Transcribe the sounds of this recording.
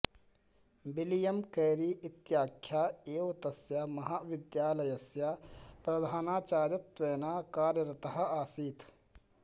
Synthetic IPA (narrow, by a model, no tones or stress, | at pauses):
bilijɐmkɐːɾiːʔɪt̪jaːkʰjaːeːʋɐt̪ɐsjamɐɦaːʋɪd̪jaːlɐjɐsjaːpɾɐd̪ʱaːnaːt͡ʃaːɾjɐt̪ʋeːnaːkaːɾjɐɾɐt̪ɐɦɐaːsiːt̪